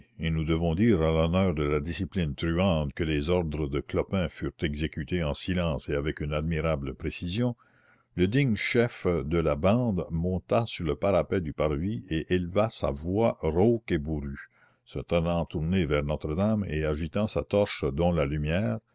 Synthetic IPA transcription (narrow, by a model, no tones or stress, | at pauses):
enud̪əvɔ̃d̪iːʁalɔnœːʁd̪əlad̪isiplint̪ɾyɑ̃ːt̪kəlezɔʁd̪ɾəd̪əklɔpɛ̃fyːʁt̪ɛɡzekyt̪eɑ̃silɑ̃ːseavɛkynad̪miʁabləpɾesizjɔ̃ | ləd̪iɲʃɛfd̪əlabɑ̃ːd̪mɔ̃t̪asyʁləpaɾapɛd̪ypaʁvieʔelvasa̰vwaʁokebuɾy | sət̪ənɑ̃t̪uʁnevɛʁnɔt̪ɾəd̪amḛaʒit̪ɑ̃sat̪ɔʁʃd̪ɔ̃lalymjɛːʁ